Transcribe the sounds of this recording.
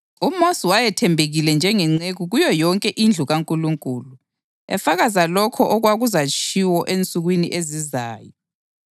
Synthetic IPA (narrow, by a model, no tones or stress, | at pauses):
umosiwajɛtʰɛmbʱeɣilɛnd͡ʒʱɛŋɛŋ͡ǀeɣuɣujɔjɔŋkʼɛʔind͡ɮʱuɣaŋkʼuluŋkʼuːlu | ɛ̰faɣazalɔkʰɔʔɔɣwaɣuzat͡ʃʰiwɔʔent͡sʼuɣwiniʔeziza̰ːjɔ